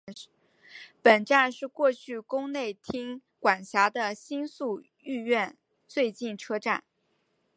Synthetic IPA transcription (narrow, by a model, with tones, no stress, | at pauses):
pə˨˩nʈ͡ʂa˥˧nʂɻ̩˥˧kwɔ˥˧t͡ɕʰy˥˩kʊ˥ŋne˥˩ɪt̪ʰi˥ŋ | kwa˨˩nɕja˧˥d̪ə˧ɕi˥nsu˥˧ | y˥˧ɥɛ˥˧n | t͡swe˥˧ɪt͡ɕi˥˩nʈ͡ʂʰɤ˥ʈ͡ʂa̰˥˩n